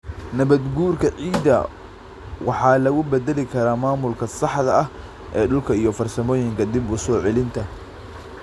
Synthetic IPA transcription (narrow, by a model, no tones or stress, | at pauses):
nɐβɐd̪ɡuːrkʰɐʕiːd̪ɐ̰ | wɑħɑːlɐɣʊbɐd̪ɛlɪkʰɐɾaːmaːmʊlkʰɐsɑħðɐɐh | ʔɛːɖʊlkʰɐijɞfɐrsɐmɔːjɪŋkʰɐd̪ɪbʊsɔːʕɛlɪnt̪ʰɐ